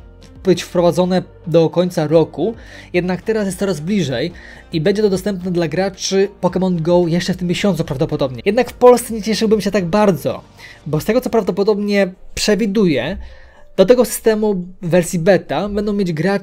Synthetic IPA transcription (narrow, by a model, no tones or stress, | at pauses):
b̥ɘt͡ɕfpɾɔvad̪zɔnɛ | d̪ɔkɔɲt̪saɾɔkujɛd̪nakt̪ɛɾasjɛst̪ɔɾazblʲiʐɛj | ibɛɲd͡ʑɛt̪ɔd̪ɔst̪ɛmpnɛd̪laɡɾat͡ʂɘpɔkɛmɔnd̪ɡɔwjɛʂt͡ʂɛft̪ɘmʲːjeɕɔnt̪supɾavd̪ɔpɔd̪ɔbɲɛjɛd̪nakfpɔlst̪sɛɲɛt͡ɕɛʂɨwbɘmɕɛt̪aɡbaɾd̪zɔ̰ | bɔst̪ɛɡɔt̪sɔpɾavd̪ɔpɔd̪ɔbɲɛpʂɛvʲid̪ujɛ | d̪̥ɔt̪ɛɡɔsɨ̥st̪ɛmuvɛɾsʲibɛt̪abɛnd̪ɔ̃w̃mjed͡ʑɡɾa